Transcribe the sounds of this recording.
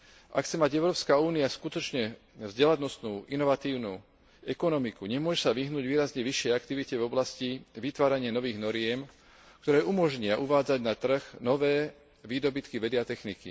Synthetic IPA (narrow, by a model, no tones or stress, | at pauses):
ʔa̰kt͡sɛmaɟɛʊɾɔːpskauːniaskut̪ɔt͡ʃɲɛ | vzɟɛlanɔst̪nuːʔinɔʋat̪iːʊnuː | ɛkɔnɔmikuɲɛmʊɔʒɛsaʋiɦnuːɟʋiːɾazɲɛʋiʃːɪɛjakt̪iʋicɛvɔblasciʋit̪ʋaːɾaɲɪanɔʋiːɣnɔɾɪɛm | k̚t̪ɔɾɛːʔumɔʒɲɪaʔuʋaːd͡zaɟnat̪r̩ɣnɔʋɛː | ʋiːd̪ɔbit̪kiʋɛd̪iat̪ɛxniki